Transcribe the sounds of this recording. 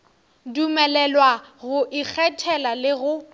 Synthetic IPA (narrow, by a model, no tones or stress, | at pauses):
dumɛlɛlwaɣʊʔik͡xʰɛtʰɛlalɪɣʊ